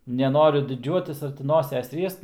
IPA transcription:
nʲɛˈnoːrʲʊ dʲɪˈd͡ʒʲuɔtʲɪs ɐr tʲɪ ˈnoːsʲɛs ˈrʲiɛst

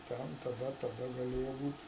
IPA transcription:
ˈtʲɛn tɐˈdɐ tɐˈdɐ ɡɐˈlʲeːjoː ˈbuːtʲ

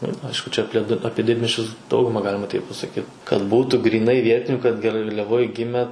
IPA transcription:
ɪr ˈɐɪʃkʊ t͡ʃʲɛ ɐpʲˈlʲiɛ ˈɑːpʲiɛ ˈdʲɪdʲmʲiɛsʲt͡ʃʲʊs ˈdɐʊɡʊmɐ ˈɡɑːlʲɪmɐ tɐɪp pɐsɐˈkʲiːt kɐt ˈbuːtuː ɡrʲiːˈnɐɪ ˈʋʲiɛtʲɪnʲʊ kɐt ɡɐrʲlʲɛˈʋoːj ˈɡʲɪmʲɛ

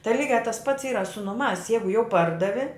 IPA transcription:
tɐɪ ˈlʲiːɡʲæː tɐs pɐts ˈiːrɐ sʊ nʊˈmɑːs ˈjɛɪɡʊ jɛʊ ˈpɐrdɐʋʲɪ

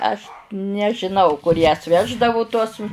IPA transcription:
ɐʃ nʲɛʒʲɪˈnɐʊ kʊr jɛs ˈʋʲæːʒdɐʋʊ tuɔs

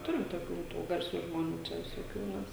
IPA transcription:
ˈtʊrʲɪm toːˈkʲuː ˈtuː ɡɐrʲˈsʲuː ʒmoːˈnʲuː ˈt͡ʃʲɛ ʋʲɪsoːˈkʲuː ˈmʲɛs

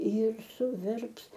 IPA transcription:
jɪr sʊˈʋʲɛrps

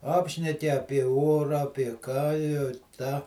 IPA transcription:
ˈɑːpʲʃʲnʲɛkʲɪ ˈɑːpʲiɛ ˈoːrɑː ɐpʲiɛ ˈkɑː jɛʊ ˈtɑː

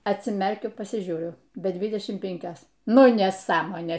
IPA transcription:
ɐtʲsʲɪˈmʲɛrʲkʲʊ pɐsʲɪˈʒʲuːrʲʊ bʲɛ ˈdʲʋʲɪdʲɛʃʲɪm ˈpʲɪŋʲkʲoːs ˈnʊ nʲɛˈsɑːmoːnʲeː

